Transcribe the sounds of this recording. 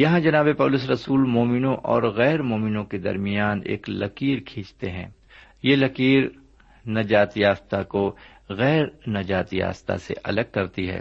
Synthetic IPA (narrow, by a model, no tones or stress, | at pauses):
jɐɦãd͡ʒɐnaːbepɐːlʊs̬ɾɐsuːlmoːmɪnõʔɔːɾɣɛːɾmoːmɪnõked̪ɐ̰ɾmɪjaːnḛːklɐ̰kiːɾkʰĩːt͡ʃt̪eɦɛ̰̃ː | jelɐkiːɾ | nɐd͡ʒaːt̪jaːst̪ako | ɣɛːɾnɐd͡ʒaːt̪ja̰ːst̪a̰sḛʔɐləɡ̚kːɐɾt̪iɦɛ̰ː